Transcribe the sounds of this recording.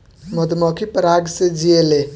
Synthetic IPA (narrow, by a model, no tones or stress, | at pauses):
mɔd̪mɔkʰipəɾaɡsed͡ʒiele